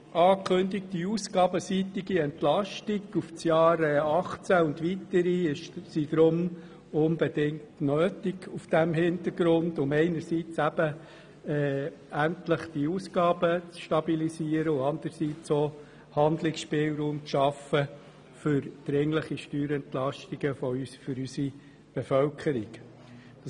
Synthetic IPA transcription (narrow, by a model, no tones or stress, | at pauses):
ʔɑːkʰχɵndɪk̚d̥iuːsɡ̥ɑːbəsitɪɡiɛnt̪lɑʃtɪɡufsjɑːɾɛɑχt͡sæʊndʋit̪əɾiɪʃsid̥̪ɾʊm | ʊnbɛdɪŋtnøːtɪɡufd̥æmhɪnt̪əɾɡ̥ɾʊndʊmɛɪnəɾsit͡sæb̥ə | ɛːæntləχd̥iuːsɡ̥ɑːbət͡sʃtɑbilisiəɾəʊɑnd̪əɾsit͡soː | hɑnd̪lɪksʃpɪːlɾuːmt͡sʃɑfə | fʏɾd̪̥ɾɪŋləχiʃtyːɾɛntlɑʃtiɡ̥əfɔysfʏɾysi | b̥efœlkʰəɾiɡ | d̥ɑ